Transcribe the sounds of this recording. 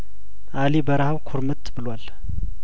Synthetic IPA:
ʔalibəɾahawkʰoɾmɨt̪ʰbɨlwal

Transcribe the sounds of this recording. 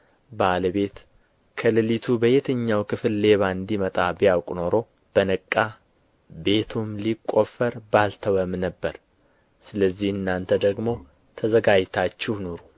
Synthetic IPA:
baləβe̞t̪ | kʰəlɨlit̪ʰubəjɛt̪ʰəɲːawkʰɨflːe̞βaɨnd̪imət̪ʼabijawkʼno̞ɾo̞ | b̥ənəkʼːa | be̞t̪ʰumlikʼːo̞fəɾbalt̪ʰəwəmnəbːəɾ | sɨləzːihɨnːant̪ʰəd̪əɡmo̞ | t̪ʰəzəɡad͡ʒt̪ʰat͡ʃːɪhnoɾu

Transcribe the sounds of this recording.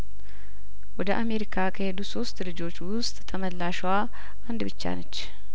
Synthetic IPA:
wɔd̪əʔame̞ɾikʰakʰəhe̞d̪uso̞st̪lɨd͡ʒo̞t͡ʃːwʊst̪ʼːʰəməlːaʃwa | ʔand̪bɨt͡ʃːa̰nət͡ʃː

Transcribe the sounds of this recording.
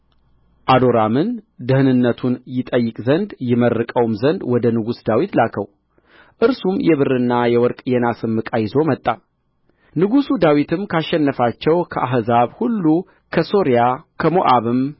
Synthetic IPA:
ʔad̪o̞ɾamɨnd̪ɨhɨnɨnːət̪ʰunjɪt̪ʼəjːɪkʼzənd̪jɪmərːɨkʼəwmzənd̪wɔd̪ənɨɡusd̪awit̪lakʰəw | ʔɨɾsumjɛβɨrːɨnːajɛwɔɾkʼjɛnasɨmːɨkʼajɪzo̞mət̪ʼːa | nɨɡusud̪awit̪ʰɨmkʰaʃːɛnːəfat͡ʃːɛwkʰəʔaɦzaβhulːu | kʰəso̞ɾjakʰəmoʔaβɨm

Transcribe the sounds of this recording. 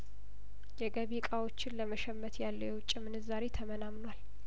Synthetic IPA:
jɛɡəβikʼawo̞t͡ʃːɪnləməʃɛmːət̪jalːəjwʊt͡ʃʼːimɨnɨzaɾet̪ʰəmənamnwal

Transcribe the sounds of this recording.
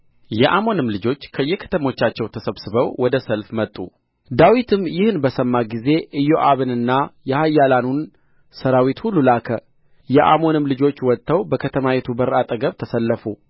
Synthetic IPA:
jɛʔamo̞nɨmlɨd͡ʒo̞t͡ʃːkʰəjːɛkʰə̥t̪ʰəmo̞t͡ʃːat͡ʃːɛwt̪ʰəsəβsɨβəwwɔd̪əsəlfmət̪ʼːṵ | d̪awit̪ʰɨmjɪhnbəsəmːaɡize̞ʔɨjo̞ʔaβɨnɨnːajɛhajːalanun | səɾawit̪hulːulakʰə | jɛʔa̰mo̞nɨmlɨd͡ʒo̞t͡ʃːwɔt̪ʼːəwbəkʰət̪ʰəmawɛt̪ʰubəɾʔat̪ʼəɡəβt̪ʰəsəlːəfu

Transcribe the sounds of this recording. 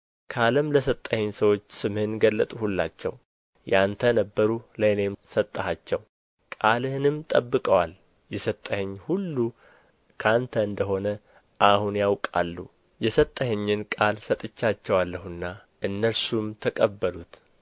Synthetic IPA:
kʰaləmləsət̪ʼːəhɛɲsəwo̞t͡ʃːsɨmhɨnɡəlːət̪ʼuhulːa̰t͡ʃːɛ̰w | jant̪ʰənəbːəɾuləne̞msət̪ʼːəhat͡ʃːɛw | kʼalɨhnɨmt̪ʼəbːɨkʼəwal | jɛsət̪ʼːəhɛɲːhulːu | kʰant̪ʰəɨnd̪əɦo̞nə | ʔahunjawkʼa̰lːṵ | jɛsət̪ʼːəhɛɲːɪnkʼalsət̪ʼɨt͡ʃːat͡ʃːɛwalːəhɨnːa | ʔɨnːəlsumt̪ʰəkʼəbːəlut̪

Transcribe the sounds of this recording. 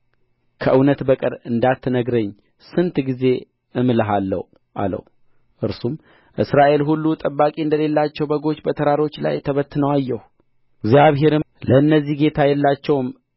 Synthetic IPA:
kʰəʔɨwnət̪bəkʼɨ̰ɾɨnd̪at̪ʰːənəɡɾəɲː | sɨnt̪ɡize̞ | ʔɨmləɦalːə̰h | ʔa̰lə̰h | ʔɨɾsum | ʔɨsɾaʔe̞lɦulːut̪ʼəbːakʼiɨnd̪əle̞lːat͡ʃːɛwbəɡo̞t͡ʃːbət̪ʰəɾaɾo̞t͡ʃːla̰jt̪ʰəβət̪ːɨnəwajːɛhu | ɡzjaβɦe̞ɾɨ | ləɨnːəzːihɡe̞t̪ʰajɛlːat͡ʃːɛwm

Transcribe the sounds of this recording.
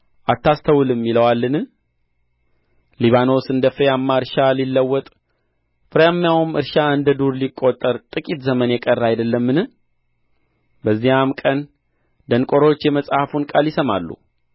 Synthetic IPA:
ʔat̪ːast̪ʰəwulɨmːiləwalːɨnɨ | liβano̞sɨnd̪əfɨɾjamːaɨɾʃalilːəwːɔt̪ʼ | fɨɾejamːjawumɨɾʃaɨnd̪əd̪uɾlikʼːot̪ʼːəɾt̪ʼɨkʼit̪zəmənjɛkʼərːajd̪əlːəmːɨnɨ | bəzːijamkʼən | d̪əŋkʼoɾo̞t͡ʃːjɛməsʼhafunkʼaljɪsəmalːṵ

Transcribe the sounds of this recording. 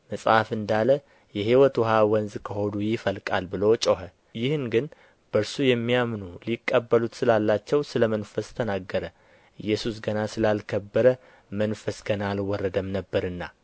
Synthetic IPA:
məsʼafɨnd̪alə | jɛɦiwət̪wɦawənzkʰəho̞d̪ujɪfəlkʼalbɨlo̞t͡ʃʼoɦə | jɪhɨnɡɨn | b̥əɾsujɛmːijamnulikʼːəbːəlut̪sɨlalːat͡ʃːɛwsɨləmənfəst̪ʰənaɡːəɾə | ɨjːɛsusɡənasɨlalkʰəbːəɾə | mənfəsɡənalwɔrːəd̪əmnəbːəɾɨnːa̰

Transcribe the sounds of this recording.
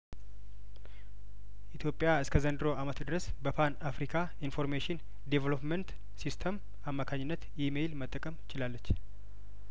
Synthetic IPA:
ʔit̪ʰjo̞pʼːɪjaɨskʰəzənd̪ɨɾo̞amət̪d̪ɨɾəs | bəpʰanafɾikʰa | info̞ɾmeʃɪn | d̪evəlopmənt̪ | sist̪ʰəm | amːakʰaɲːɪnːət̪jimelmət̪ʼːəkʼəmɪt͡ʃɪlalːət͡ʃː

